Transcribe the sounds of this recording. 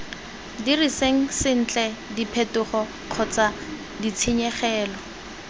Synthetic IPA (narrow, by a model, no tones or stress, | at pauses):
diriseŋ̩sɪn̩t͡ɬʼɛdipʰetʊχɔ | q͡χʰɔt͡sa | dit͡sʰiɲɛχɛːlɔ